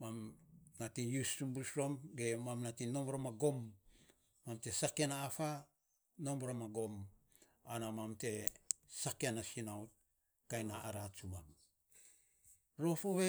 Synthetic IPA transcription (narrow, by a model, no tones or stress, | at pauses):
mamnatijusːumbusɾo̞mɡemamnatino̞mboɾomaɡo̞mː | amte̞sakenaːfa | no̞mboɾomaɡo̞m | anamamte̞sakeanasinawt | kajnaaɾat͡ʃumam | ɾo̞foβe